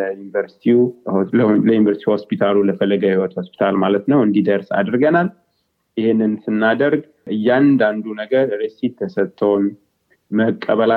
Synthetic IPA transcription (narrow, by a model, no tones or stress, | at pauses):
junvəɾsi̥t̪ʰi | ləjunvəɾsi̥t̪iho̞spʰit̪ʰaluləfəlːəɡahiwɔt̪hospʰi̥t̪ʰalmalət̪nəwɨnd̪id̪əɾsa̰d̪ɾɡənal | ɪhenːɨnsɨnːad̪əɾɡ | ʔɨjːand̪and̪unəɡəɾɾesitt̪ʰːəsət̪ʰʼːəwn | məkʼːəβəla